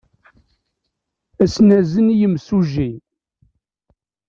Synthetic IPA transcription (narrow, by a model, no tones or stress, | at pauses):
æsnæzənijəmsuʒi